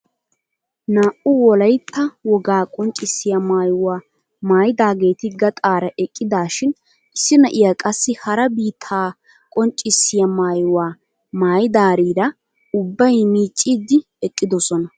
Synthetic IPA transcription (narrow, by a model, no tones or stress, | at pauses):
naːʔʊwɔlɐjt̪ːɐwɔɡaːkʼɔnt͡ʃʼːɪsːɪjɐmaːjʊwaː | maːjɪd̪aːɡe̞ːt̪ɪɡɐt̪ʼaːɾɐʔɛkʼːɪd̪aːʃɪn | ɪsːɪnɐʔɪjakʼɐsːɪhɐɾɐbiːt̪ʰːaː | kʼɔnt͡ʃʼːɪsːɪjɐmaːjʊwaː | maːjɪd̪aːɾiːɾɐ | ʊbːɐjmiːt͡ʃʼːiːd̪ɪ | ɛkʼːɪd̪ɔsɔnɐ